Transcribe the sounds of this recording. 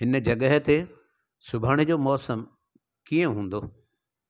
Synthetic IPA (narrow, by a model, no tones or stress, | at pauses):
ɦɪnəd͡ʑɐɠəɦt̪e | sʊbʱaːɽ̃ed͡ʑoːmɔːsəm | kiə̃ɦũːn̆d̪oː